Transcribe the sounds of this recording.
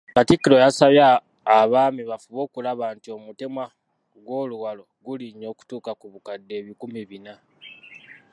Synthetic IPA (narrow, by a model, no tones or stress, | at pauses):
katikːiɾo̞jasaβjaː | βaːmiβafuβo̞ːkulaβaːntio̞mute̞mwa | ɡwo̞ːluwalo̞ɡuliɲːo̞ːku̥tuːkakuβukadːe̞ːβikumiβina